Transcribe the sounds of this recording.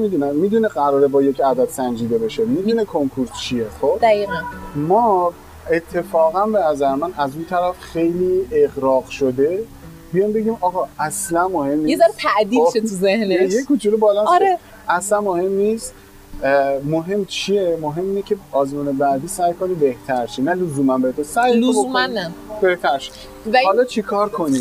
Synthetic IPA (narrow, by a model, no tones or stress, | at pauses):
mid̪unæmːid̪uneɢæɾɒːɾebɒːje̞cʰæd̪æd̪̥sænd͡ʒiːd̪e̞be̞ʃe̞miːd̪unekʰoŋkʰuɾt̪t͡ʃʰiexobd̪æiːænmɒː | e̞t̪ʰːe̞fɒːɣænbenæzæɾemænæzunt̪ʰæɾæfxe̞jliːe̞ɣɾɒːɣʃod̪e̞ | bijɒjmbe̞ɟiːmɒːɣɒæslænmohe̞mːnijeszaɾt̪ʰæʔd̪iːʃet̪ʰuzehnejekʰut͡ʃʰilobɒːlɒnɾe | æslænmohe̞mniːst̪ | moɦe̞mːt͡ʃʰijemoɦe̞mːiːnecʰe̞ɒːzmuːnebæʔd̪iːsæjkʰo̞niːbe̞ht̪ʰæɾʃinælozuːmænbeet̪ʰosæjomnːæb̥eht̪ʰæɾʃe̥ | væhɒlɒːt͡ʃʰikʰɒːɾkʰo̞niː